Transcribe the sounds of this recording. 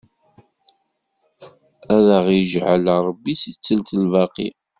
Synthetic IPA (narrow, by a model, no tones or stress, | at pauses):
æðəʁjəʒʕəlɾˤəbːisit͡sːəlt̪əlvɑqḭ